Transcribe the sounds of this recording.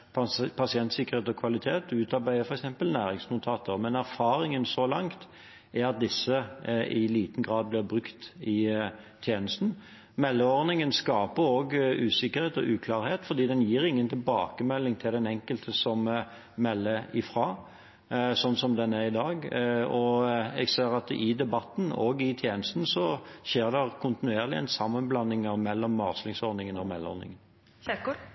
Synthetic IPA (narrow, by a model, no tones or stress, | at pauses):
ppʰɑsɪɛnt̪sɪkːəʁheːt̪ɔkʰʋɑlɪt̪ʰeːt̪ʉːt̪ɑɾbæɪəfɔɾɛksɛmpəlnæːɾɪŋsnʊt̪ʰɑːt̪ʰəʁmɛnæɾfɑːɾɪŋənsɔlɑŋt̪ | æʁɑt̪̚d̪ɪsːəɪliːt̪n̩ɡʁɑːd̪̚blɪʁbʁʉkt̪ɪ | t̪ʰjeːnəst̪n̩ | mɛlːəɔʁnɪŋənskɑːpəɾoːɡʉːsɪkːəɾheːt̪ɔ̰ʔʉːkʰlɑːʁheːt̪fɔʁd̪iːd̪ɛnjiːɾɪŋːənt̪ʰɪlbɑːkəmɛlːɪŋt̪ʰɪld̪ɛnɛŋkəlt̪ʰəsɔm | mɛlːəɪfɾɑː | sɔnːsɔmd̪ɛnːæɪd̪ɑːɡɔɛ̰ɡseːɾɑt̪ɪd̪ɛbɑt̪ːn̩o̰ɡɪt̪ʰjeːnəst̪n̩sɔʃeːʁd̪ɛʁkʰʊnt̪ɪnʉeːʁlɪɛ̰nsɑmːənblɑnːɪŋəʁmɛlːɔmːɑʁslɪŋsɔɾnɪŋənɔmɛlːɔ̰ʁnɪ̰ŋən